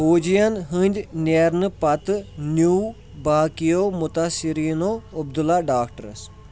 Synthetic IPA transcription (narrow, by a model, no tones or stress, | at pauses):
ɦoːd͡ʒijənɦə̃nʲd͡ʒnʲeɾnpɐt̪njuː | baːkijoːmʊt̪asɪɾiːnoːʊb̚d̪əlaːɖaːkʈəɾə̰s